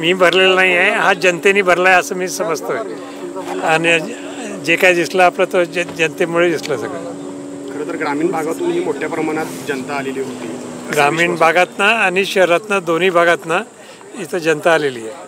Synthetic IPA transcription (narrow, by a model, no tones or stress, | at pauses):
miːbʱəɾlelənaɦiaɦeɦad͡ʑənt̪eniːbʱəɾlaeəsəːmiːsəməd͡zt̪oe | ani | d͡ʑekaɦid̪isləːplat̪od͡ʑənt̪emuɭed̪isləsəɡɭa̰ | kʰəɾə̃t̪əɾɡɾamiːɳbʱaɡat̪uːnmiːmoʈʰːjapɾəmaɽ̃at̪d͡ʑənt̪aːleliːɦot̪iɡɾamiːɳbʱaɡat̪naːniɕəɦɾat̪nad̪on̤iːbʱaɡat̪na | it̪əd͡ʑənt̪aːleliːje